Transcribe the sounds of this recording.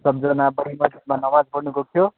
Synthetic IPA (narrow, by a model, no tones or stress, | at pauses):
sʌb̚d͡zʌnabʌɽimad̪ismanʌmãd͡zbʌɾnukokʰjo